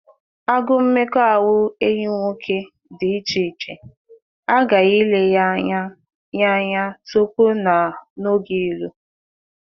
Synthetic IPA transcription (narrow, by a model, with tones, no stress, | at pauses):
a˦ɡʊ˦m̩˦me˦kɔ˦a˨wʊ˦e˦ɲi˦ŋʷo˦kʰe˦ | dɪ˨i˦t͡ʃi˨t͡ʃe˨ | a˦ɡa˨i˦le˦ | ja˦ɲa˦so˦kʷo˦na˨no˦ɡi˦i˦lu˦